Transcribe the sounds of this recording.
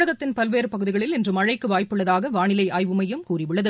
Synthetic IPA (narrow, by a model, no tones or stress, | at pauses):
ɐɣɐt̪ːɪnpɐlʋeːɾɯpɐɣɯðɪɣɐɭɪlɪndrɯmɐɻɐɪkːɯʋaːjpːɯɭːɐðaːɣɐʋaːɳɪlɐɪʔaːjʋɯmɐjɯmkuːriʋɯɭːɐðɯ